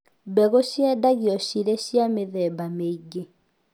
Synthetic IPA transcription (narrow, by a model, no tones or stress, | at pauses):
bɛɣoʃjɛdaɣiɔʃiɾeʃiameðɛbameiɡe